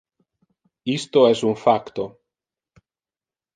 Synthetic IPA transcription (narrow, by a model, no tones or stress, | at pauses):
ist̪oɛsuɱfakt̪o